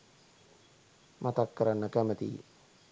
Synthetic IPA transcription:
mat̪akːəɾanːəkæmət̪ḭː

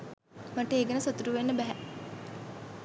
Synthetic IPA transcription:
maʈəeːɡənəsot̪uɾuʋenːəbæɦɛ

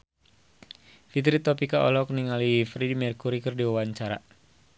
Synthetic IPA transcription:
fit̪ɾit̪ɔpikaʔɔ̰lɔk̚niŋalifɾidimɛrkuɾikərdiwawaɲt͡ʃaɾa̰

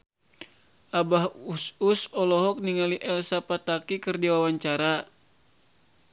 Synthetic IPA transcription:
ʔabahususɔlɔɦɔk̚niŋaliʔɛlsapat̪akikɨrdiwawaɲt͡ʃaɾa

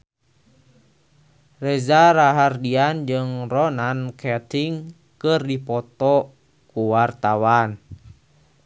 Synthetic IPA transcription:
rɛzaɾaɦardiand͡ʒɨŋrɔnankʰɛt̪iŋ | kɨrdipɔt̪ɔ | kuwart̪awan

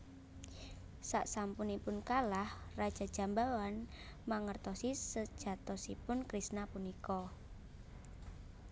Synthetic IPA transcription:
sa̰ʔsampunipʊnkalahrad̥ʒ̥a̤d̥ʒ̥a̤mbawan | maŋərt̪ɔsisəd̥ʒ̥a̤t̪ɔsipʊnkɾisnapunikɔ

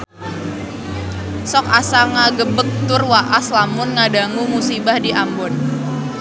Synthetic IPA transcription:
sɔkasaŋaɡəbək̚t̪ʊrwaʔaslamʊnŋadaŋumusibahdiʔambʊn

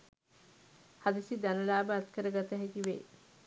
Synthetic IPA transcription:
had̪isid̪anəlaːbəat̪kəɾəɡat̪əɦɛkiʋḛː

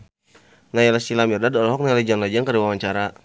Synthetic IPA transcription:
najalasilamirdadɔlɔɦɔk̚naled͡ʒanlad͡ʒaŋkaɾiwawaɲt͡ʃaɾa

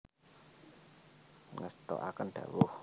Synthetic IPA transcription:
ŋəst̪ɔ̰ʔakənɖ̪̥ä̤wʊh

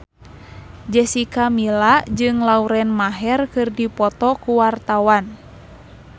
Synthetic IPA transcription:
d͡ʒɛsikamilad͡ʒɨŋlauɾɛnmaɦɛrkɨrdipɔt̪ɔkuwart̪awan

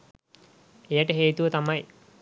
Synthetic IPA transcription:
ejaʈəɦeːt̪uʋət̪amaj

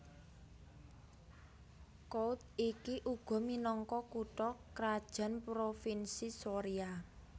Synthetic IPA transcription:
kout̪̚ikiʔuɡ̥ɔ̤minɔŋkɔkuʈɔkɾad̥ʒ̥a̤npɾofinsisoɾia

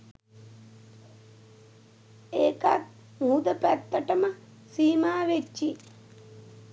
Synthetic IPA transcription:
eːkat̪̚ | muːd̪əpæt̪ːəʈəmə | siːmaːʋet͡ʃːi

